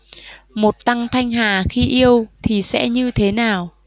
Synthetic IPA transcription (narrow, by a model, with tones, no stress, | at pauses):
mo˨˩t̚t̪a˧ŋt̪ʰa˧jŋ̟ɦaː˨˩xi˧ʔi˧əwt̪ʰi˨˩sɛ̰˧˥ɲɨ˧t̪ʰe˨˦naː˨˩w